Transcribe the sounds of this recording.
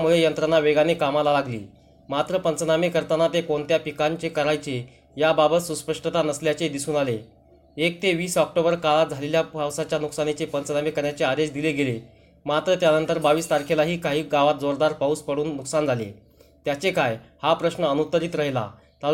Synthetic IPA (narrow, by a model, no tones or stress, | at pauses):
muɭejənt̪ɾanːaʋeɡanekamalalaɡlḭː | mat̪ɾəpənt͡snamekəɾt̪anːat̪ekoɳt̪japikaɲt͡ɕekəɾajt͡se | jababət̪suspəʂʈət̪anəsljat͡sed̪isuːnale | ek̚t̪eʋiːsɔk̚ʈobəɾkaɭat̪̚d͡zʱaleljaawsat͡ɕjanuksanet͡ɕepənt͡snamekəɾjat͡sead̪eɕd̪ileɡele | mat̪ɾət̪janənt̪əɾbaʋiːst̪aɾkʰelaɦiːkaɦiːɡaʋat̪̚d͡zoɾd̪aɾpauːspəɽuːnːuksand͡zʱalḛ | t̪jat͡sekajhapɾəɕnəənut̪əɾit̪ɾəɦla̰ | t̪a